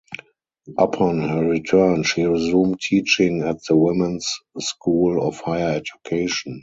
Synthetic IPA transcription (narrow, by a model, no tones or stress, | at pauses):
ʔəpʰɔ̃nhəɹitʰɜ˞nʃiɹizũːmtʰiːt͡ʃɪ̃ŋæt̚ðəwɪmə̃nsːkʰuːlɔfhaɪəɛd͡ʒukʰeɪʃɔ̃n